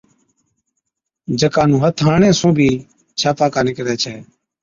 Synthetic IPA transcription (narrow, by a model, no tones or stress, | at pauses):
d͡ʒəkaːnũːɦət̪ʰaːɳẽːsũːbʱiː | t͡ʃʰaːpaːkaːnɪkɾɛːt͡ʃʰɛː